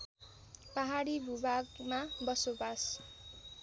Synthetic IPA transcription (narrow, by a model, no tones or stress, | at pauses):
paɦaɽibʱubaɡmabʌsobas